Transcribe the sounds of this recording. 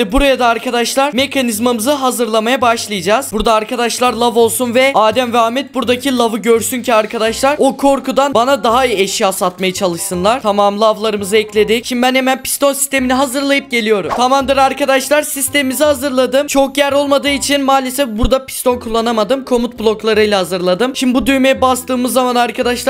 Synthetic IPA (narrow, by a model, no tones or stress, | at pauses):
buɾajad̪aːɾkʰad̪aʃlˠaɾme̞kʰanizmamɯzɯɦazɯɾlˠamajabaʃlˠɯjɯd͡ʒaːz̥buɾd̪aːɾkad̪aʃlˠaɾlˠavo̞lˠsunvɛaːd̪æmvaːmːɛt̪̚buɾd̪acʰilˠavɯɟøɾsyncʰiaɾkʰad̪aʃlˠaɾokʰo̞ɾkud̪anbanad̪aɦaijɛʃjasat̪majat͡ʃʰalˠɯʃsɯnlˠaɾ̥t̪ʰamaːmlˠɯavlˠaɾɯmɯzɯɛclʲe̞d̪icʃimd̪ibænhemænpʰi̥st̪o̞nsist̪e̞miniɦazɯɾlˠajɯp̚ɟe̞lʲijo̞ɾumt̪ʰamamd̪ɯɾaɾkad̪aʃlˠaɾsist̪e̞mimizihazɯɾlˠad̪ɯmt͡ʃʰo̞kjæɾo̞lˠmad̪ɯːit͡ʃʰinmaːlʲesɛfbuɾd̪apʰi̥st̪o̞nkʰulˠːanamad̪ɯmkʰo̞mut̪blˠo̞klˠaɾɯjlʲˠahazɯɾlˠad̪ɯmʃimd̪ibud̪yjmejɛbast̪ɯːmɯzːamanaɾkʰad̪aʃlˠ